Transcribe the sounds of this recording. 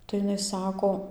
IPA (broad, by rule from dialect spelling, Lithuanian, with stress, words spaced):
tɐɪ ɪˈnɐɪ ˈsɑːkoː